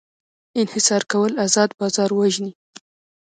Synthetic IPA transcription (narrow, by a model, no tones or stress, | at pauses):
ɪnhɪsɑɾkawəlazɑd̪bɑzɑɾwaʒni